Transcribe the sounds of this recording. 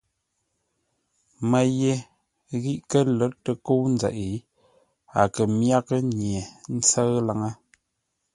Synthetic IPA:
mə˨je˨ | ɣi˦ʔkə˦lɔ˨˦ttə˨ko˦wn˦d͡zɛ̰˨ʔi˨˦ | a̰˨kə˨mja˦kə˦ɲje˨n̩˦t͡sə˦ɣla˨ŋə˦

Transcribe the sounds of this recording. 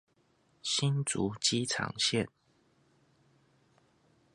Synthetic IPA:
ɕi˦nt͡su˨˦t͡ɕi˦t͡sʰɑ̰˧˦ŋɕjɛ˥˨n

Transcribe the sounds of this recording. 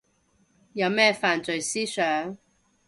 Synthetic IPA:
jɐ˨˧wmɛː˥faː˨nt͡sɵ˨jsiː˥sœː˨˥ŋ

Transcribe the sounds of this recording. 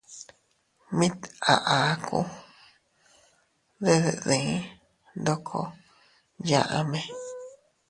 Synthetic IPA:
mĩ˦t̪a̰˨ʔa˨˦kʰṵ˦ | ðe˦ðḛ˧˨ðĩ˨˦ | nd̪o˦kʰo̰˧˦ | jã˧ʔa˧mẽ˧

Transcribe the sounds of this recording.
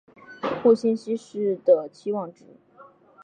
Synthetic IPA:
xu˥˩ɕi˥nɕi˥ʂɻ̩˥˩d̪ə˩t͡ɕʰi˥wɑ˥˩ŋʈ͡ʂɻ̩˨˧˩

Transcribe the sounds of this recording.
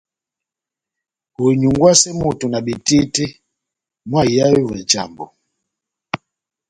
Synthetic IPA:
hu˨ɲu˨ŋɡwa˦sɛ˦mu˨tu˨na˨bi˨ti˦ti˦ | mwa˦˨ja˦wi˦vɛ˨d͡ʒa̰˨mbo˨

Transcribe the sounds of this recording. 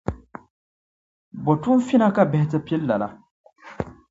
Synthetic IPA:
bɔ˨tu˦n̩˦fi˦na˦ka˦bɛ˦hɪ˦tɨ˦pɛ˦lːa˨la˨

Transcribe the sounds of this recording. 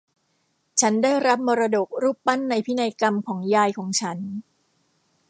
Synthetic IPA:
t͡ɕʰa˦˥ndaː˥˩jɾa˦˥p̚mɔː˧ɾa˧do˨˩k̚ɾuː˥˩ppa˥˩nːa˧jpʰi˦˥na˧jka˧mkʰɔː˩˦ŋjaː˧jkʰɔː˩˦ŋt͡ɕʰa˦˥n

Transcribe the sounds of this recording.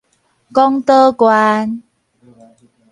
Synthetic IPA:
kɔ˦˥ŋt̪əː˦kwa˧n

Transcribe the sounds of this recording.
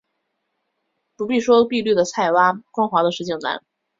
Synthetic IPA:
pu˧˥pi˥˩ʂwɔ˥pi˥˧ly˥˩d̪ə˩t͡sʰa˥˩ɪwa˥kwɑ˥ŋxwɑ˧˥d̪ə˧ʂɻ̩˥˩t͡ɕʰɛ˥˩ŋna̰˧˥˦n

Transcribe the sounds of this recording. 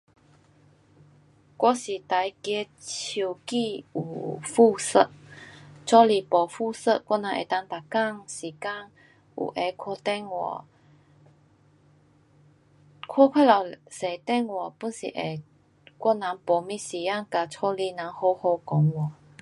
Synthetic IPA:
kwɔ˥si˨˩t̪a˨˧˦jkje˧ | t͡ɕʰi˧wki˥˧u˨˩fu˥˧sə˧ʔ | t͡sʰɔ˥˦li˨˩pɔ˨˩fu˥˧sə˧ʔ̚kwɔ˥nã˨˧˦ʔḛ˨˩t̪a˧ŋt̪a˨˩ka˥˨ŋsi˨˩ka˥˨ŋ | ṵ˨˩ʔe˨˧˦kʰɔ˧t̪ɛ˥˧ŋwɔ̰˨˩ | kʰɔ˥˨kʰwa˥la˨˩se˨˩t̪ɛ˥˧˨ŋwɔ˨˩pu˧˥nsḭ˨ʔe˨˩ | kwɔ˥nã˨˧˦ŋpɔ˨mĩ˧˥si˨ja˥˧ŋka˨˧t͡sʰɔ˧˦li˧nã˨˦ŋho˧ho˧kɔ˨˦ŋwɔ˨˩

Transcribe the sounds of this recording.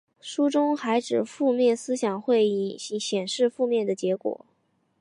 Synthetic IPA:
ʂu˥ʈ͡ʂʊ˥ŋxa˧˥ɪʈ͡ʂɻ̩˨˩fu˥˧mjɛ˥˩nsɹ̩˥ɕjɑ˨˩ŋxwe˥˧ɪi˥˩˧ɕjɛ˨˩nʂɻ̩˥˧fu˥˧mjɛ˥˩nd̪ə˩t͡ɕjɛ˧˥kwɔ̰˨˩˦

